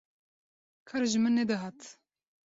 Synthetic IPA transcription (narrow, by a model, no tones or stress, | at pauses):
kʰaɾʒɨmɨnːɛd̪ɨɦaːt̪